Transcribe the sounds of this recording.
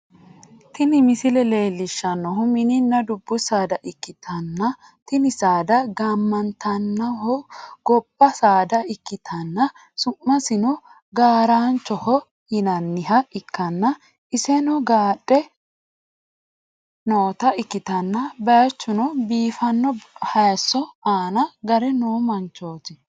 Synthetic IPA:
t̪ɪnɪmɪsɪlɛle̞ːlːɪʃːɐnːɔɦʊmɪnɪnːɐd̪ʊbːʊsaːd̪ɐʔɪkːɪt̪ʰɐnːɐ | t̪ɪnɪsaːd̪ɐɡaːmːɐnt̪ɐnːɐhɔɡ̥ɔbːɐsaːd̪ɐɪkːɪt̪ʰɐnːɐ | sʊmːɐsɪnɔ | ɡaːɾaːnt͡ʃːɔhɔ | hɪnɐnːɪɦɐɪkːɐnːɐ | ɪsɛnɔɡaːɗʼːɛ | noːt̪ɐʔɪkːɪt̪ɐnːɐbɐjt͡ʃːʊnɔbiːfɐnːɔhɐjsːɔaːnɐɡɐɾɛnoːmɐnt͡ʃːoːt̪ɪ

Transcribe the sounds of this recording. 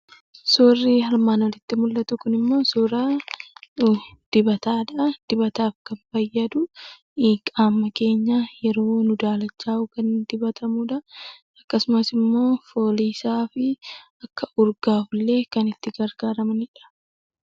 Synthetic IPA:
sorːɪhɐɾmaːnɔlɪt̪ːɪmʊlːɐt̪ʊkʊnɪmːo̞ːsɔɾaː | d̪̥ɪbɐt̪aːᶑɐd̪̥ɪbɐt̪aːfkɐnfɐjːɐd̪ʊ | kʼaːmːɐke̞ːɲːajɛɾo̞ːnʊd̪aːlɐt͡ʃːaːʊkɐnd̪ɪbɐt̪ʰɐmuːᶑɐ | ɐkːɐsʊmɐsɪmːo̞ːfo̞ːliːsaːfɪ | ɐkːɐʔʊɾɡaːflːe̞ːkɐnɪt̪ːɪɡɐɾɡ̥aːɾɐmɐnɪᶑɐ̥

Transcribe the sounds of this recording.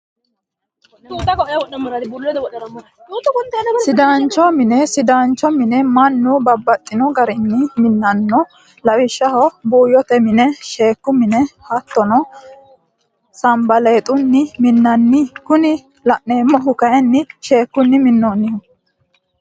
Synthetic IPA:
t̪ːɐkɔwɔʔɐmːɐɾɐbulːɛt̪ɐwɔʔːɐɐmːɐ | t̪ːkɔnt̪ɐsɪd̪aːnt͡ʃːɔmɪnɛsɪd̪aːnt͡ʃːɔmɪnɛmɐnːʊbɐbːɐt̪ʼːɪnɔɡɐɾɪnːɪmɪnːɐnːɔ | lɐwɪʃːɐhɔbuːjɔt̪ɛmɪnɛʃe̞ːkːʊmɪnɛhɐt̪ːɔnɔ | sɐmbɐleːt̪ʼʊnːɪmɪnːɐnːɪkʊnɪ | lɐʔne̞ːmːɔɦʊkɐjɛnːɪʃe̞ːkːʊnːɪmɪnːoːnːɪhʊ

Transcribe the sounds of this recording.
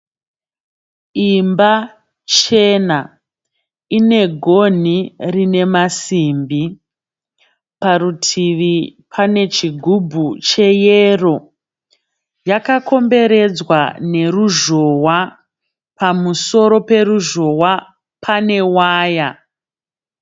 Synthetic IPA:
imba | t͡ʃe̞na | ine̞ɡʱo̞nirine̞masimbi | paɾutʰiʋipʰane̞t͡ʃiɡʱubʱut͡ʃe̞jero̞ | jakako̞mbe̞ɾe̞d͡zwane̞ruʒo̞wa | pamuso̞ɾo̞pe̞ɾuʒo̞wa | pʰane̞waːja

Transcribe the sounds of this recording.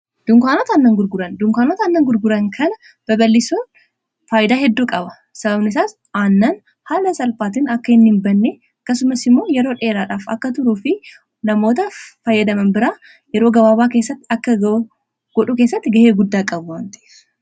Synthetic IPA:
d̪̥ʊŋkaːnoːt̪ɐːnːɐŋɡʊɾɡʊɾɐnd̪ʊŋkaːnoːt̪ɐnːɐŋɡʊɾɡʊɾɐŋkʰɐnɐ | b̥ɐbɐlːɪsoːn | faːjd̪aːɦɛd̪ːuːkʼɐbɐ | sɐbɐbnɪs̬aːs | aːnːɐn | haːlɐsɐlpaːt̪ɪnɐkːɐɪnːɪmbɐnːe | ɐkːɐsʊmɐsɪmːoːjɛɾo̞ːᶑe̞ːɾaːᶑaːfɐ̰kːɐt̪ʊɾuːfɪ | nɐmo̞ːt̪ɐfɐjːɐd̪ɐmɐnbɪɾaː | jɛɾo̞ːɡɐbaːbaːkeːsːɐt̪ːɪɐkːɐɡɐ | ɡ̥ɔᶑuke̞ːsːɐt̪ːɪɡɐheːɡʊd̪ːaːkʼɐbwaːnt̪ɐe̥s

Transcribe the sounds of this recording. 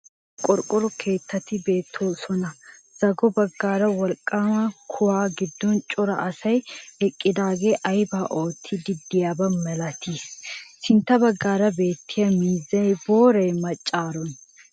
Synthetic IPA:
kʼɔɾkʼɔɾɔkʰe̞ːt̪ʰːɐt̪ːɪbe̞ːt̪ʰːo̞ːsɔnɐ | z̥ɐɡɔbɐɡːaːɾɐwɐlkʼːaːmɐkʰʊwaːɡɪd̪ːɔnt͡ʃʼɔɾɐ̰ʔɐsɐjɛkʼːɪd̪aːɡe̞ːʔɐjbaːʔo̞ːt̪ʰːɪd̪ɪd̪ːɪjaːbɐmɛlɐt̪issɪnt̪ːɐbɐɡːaːɾɐbe̞ːt̪ʰːɪjɐmiːzːɐjbo̞ːɾɐjmɐt͡ʃʼːaːɾɔn

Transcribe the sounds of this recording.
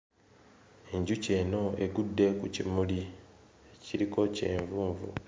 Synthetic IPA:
eɲɟuce̞ːno̞e̞ɡudːekucimuli | eciɾiko̞ce̞̰ːɱvuːɱvṵ

